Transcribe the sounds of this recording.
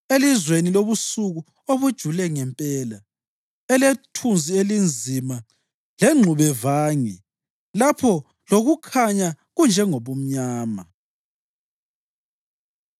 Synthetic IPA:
elizweniloβusuɣu | oβud̥ʒ̥ʱulɛŋɛmpʼɛːla | ɛletʰunzʱielind͡zʱima | leŋ͡ǁʱuβɛvaːŋɛ | lapʰɔ | loɣukʰaɲa | ɣund͡ʒʱɛŋoβum̩ɲaːma

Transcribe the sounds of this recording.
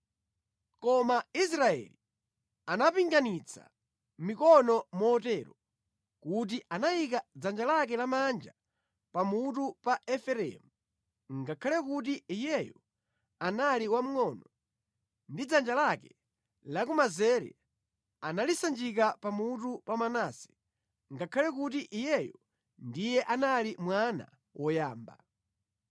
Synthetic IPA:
kɔmais̬ɾaɛ̰li | anapiŋɡanit͡sʰa̰ | mikɔnɔmɔːtɛɾɔ | kut̬iʔanaikad͡zand͡ʒalak̬ɛlamand͡ʒa | pamutupaɛfɛɾɛ̰mu | ŋɡakʰalɛkut̬iijɛjɔ | analiwam̩ŋɔnɔ | ndid͡zand͡ʒalakɛ | lakumazɛɾɛ̰ | analisand͡ʒik̬apamutupamanasi̥ | ŋɡakʰalɛkut̬iʔijɛjɔ | ndijɛʔanalimwana̰ | wʔɔjaːmba̰

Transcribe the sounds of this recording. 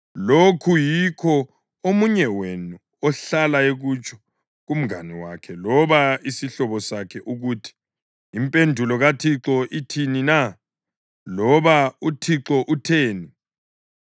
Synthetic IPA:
lokʰujikʰɔ | omuɲɛwenu | ɔɬalaeɣut͡ʃʰʼɔ̥ | ɣum̩ɡa̰niwa̰kʰɛlɔβaisiɬɔβɔsakʰɛʔuɣuːtʰi̥ː | mpʼendʱulɔɣatʰiǁɔʔitʰinina | lɔβautʰiǁɔʔutʰeːni

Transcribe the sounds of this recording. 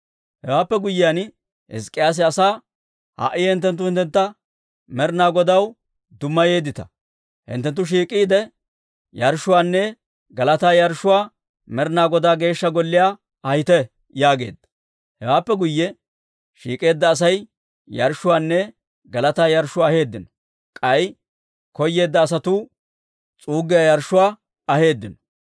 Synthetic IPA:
hɛwaːpːɛɡʊjːɪjan | hɪ̰skʼːɪjaːs̬ɪɐsaː | ha̰ʔɪhɪnt̪ːɛnt̪ːʊhɪnt̪ːɛnt̪ːɐ | mɛɾnaːɡɔd̪ɐw | d̪ʊmːɐje̞ːd̪ɪt̪ɐ̰ | hɪ̰nt̪ːɛnt̪ːʊʃ̬iːkʼːiːd̪ɛ | jɐɾʃʊwaːnːɛ | ɡɐlɐt̪aːjɐɾʃːʊwaː | mɛɾnaːɡɔd̪aːɡe̞ːʃːɐɡɔlːɪjaː | ɐjɪt̪ɛ | jaːɡe̞̰ːd̪ːɐ̥ | hɛwaːpːɛɡʊjːɛ | ʃḭːkʼe̞ːd̪ːɐːs̬ɐj | jɐɾʃːʊwaːnːɛ | ɡɐlɐt̪aːjɐɾʃʊwaːhe̞ːd̪ːɪnɔ̥ | kʼɐj | kɔjːe̞ːd̪ːɐːs̬ɐt̪u | t͡sʼuːɡɪjaːjɐɾʃʊwaː | ɐhe̞ːd̪ːɪnɔ̥

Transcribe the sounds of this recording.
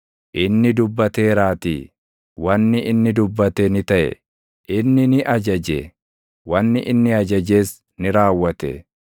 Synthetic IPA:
ʔɪnːɪd̪ʊbːɐt̪e̞ːɾaːt̪ḭː | wɐnːɪʔɪnːɪd̪ʊbːɐt̪enɪt̪ɐʔɛ̰ | ɪnːɪnɪʔɐd͡ʒɐd͡ʒḛ | wɐnːɪʔɪnːɪɐd͡ʒɐd͡ʒe̞ːs | nɪɾaːwːɐt̪ɛ̰

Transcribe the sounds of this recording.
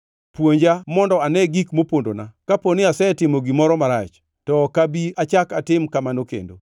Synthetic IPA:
pwoɲd͡ʒamɔndɔanɛɡikmopondo̰na̰kaponɪasɛtɪmoɡimɔɾɔmaɾat͡ʃ | tɔkabiat͡ʃakatɪmkamanokḛndo̰

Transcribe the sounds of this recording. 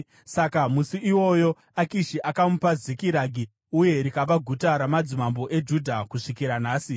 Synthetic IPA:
sakamusiʔiwo̞jo̞ | akiʃiʔakamupazikiɾaɡʱi | uje̞ɾikaʋaɡʱutaɾamad͡zimambo̞ʔe̞d͡ʒudʱakuʂikiɾanaːsi

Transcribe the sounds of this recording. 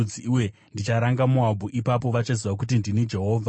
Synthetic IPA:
iwe | ndit͡ʃaɾaŋɡamuabʱuʔipap̬o̞ʋat͡ʃaziʋak̬ut̬indinid͡ʒe̞ɦo̞ːvʱa

